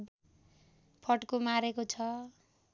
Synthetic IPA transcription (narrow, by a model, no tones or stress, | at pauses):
pʰʌʈkomaɾekot͡sʰʌ